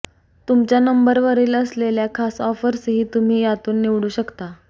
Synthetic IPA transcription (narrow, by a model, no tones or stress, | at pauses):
t̪umt͡ɕjanəmbəɾʋəɾiːləsleljakʰasɔfəɾsɦiːt̪um̤iːjat̪uːnːiʋɽuːɕəkt̪a